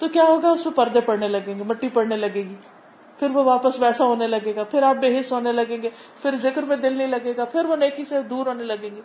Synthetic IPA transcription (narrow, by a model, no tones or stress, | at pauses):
t̪okjaːɦoːɡaʊsmẽpɐɾd̪epɐɽnelɐɡẽːɡemɐʈːipɐɽnelɐɡẽːɡiː | pʰɪɾʋoʋaːpəsʋɛːsaɦoːnelɐɡeːɡapʰɪɾaːp̚beːɦɪʃɦoːnelɐɡẽːŋɡeːpʰɪɾzɪkɾmẽd̪ɪlnɐɦĩlɐɡeːɡapʰɪɾʋoneːkised̪uːɾɦoːnelɐɡẽːŋɡeː